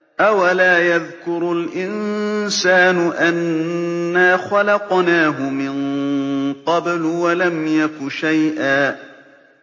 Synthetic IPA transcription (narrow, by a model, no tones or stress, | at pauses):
ʔawalaːjaðkʊɾʊlʔɪnsaːnʊʔanː | aːxalɑqnaːɦʊmɪn | qɑblʊwalamjakʊʃajʔaː